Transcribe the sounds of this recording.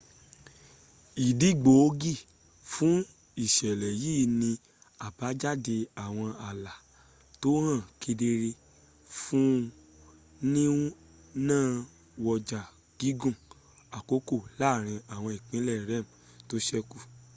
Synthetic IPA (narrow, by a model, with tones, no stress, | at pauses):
i˨di˨˦˨ɡ͡bo˨˦ɡi˦˨ | fũ˦ | i˦˨ʃɛ˨lɛ˨jiː˦˨nĩ˧ | a˨ba˨˦d͡ʒa˦˨de˧a˨w̃ɔ̃˧a˨la˨ | to˨˦hã˦˨ke˧de˧ɾe˧ | fũ˦ | nĩ˦ | nãː˦˨ | wɔ˧d͡ʒa˨ | ɡ̥i˨˦ɡũ˦˨ | a˨ko˦ko˦˨la˦˨ɾ̃ĩ˧a˨w̃ɔ̃˧i˨k͡pĩ˨˦lɛ˦˨ɾɛ˦˨m̩˨ | to˦ʃɛ˦ku˦˨